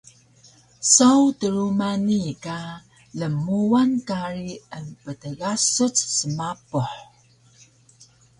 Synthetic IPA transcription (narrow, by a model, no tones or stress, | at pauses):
sawtəɾumanika | ləmuankaɾiənpətəɣasut͡ssəmapuħ